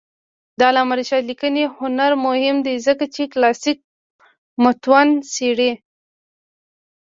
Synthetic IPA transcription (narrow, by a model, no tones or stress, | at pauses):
d̪ɑlamaɾiʃɑlikənehʊnaɾmʊhɪmd̪ezəkat͡ʃeklɑsik̚ | mʊt̪wanseɽe